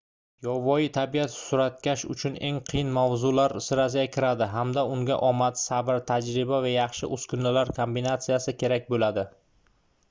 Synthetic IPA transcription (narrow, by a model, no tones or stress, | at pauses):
jɒvɒɪt̪ʰabiat̪sʊɾat̪kʲaʃʊ̰t͡ʃʰʊne̞ŋqʰɨjɪnmavzʊlaɾsɪɾas̬ɪjʲakʲʰɪɾad̪ɪɦamd̪aʊŋɡʲa̰ʔɒmat̪sabɪɾt̪ʰad͡ʒɾɪbavajɑχʃɪ̰ʔɵskʰʊnlɪlaɾkʰombinat̪sijasɪkʲʰe̞ɾak̚ʲbolad̪ɪ